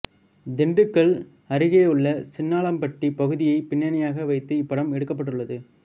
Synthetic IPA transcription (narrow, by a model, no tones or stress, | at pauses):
d̪ɪɳɖɯkːɐɭ | ɐɾɪɣeːɯɭːɐsɪnːaːɭɐmpɐʈripɐɣɯðɪjɐɪpɪɳːɐnɐjaːɣɐʋɐɪt̪ːɯɪpːɐɽɐmɛɽɯkːɐpːɐʈ̬ːɯɭːɐðɯ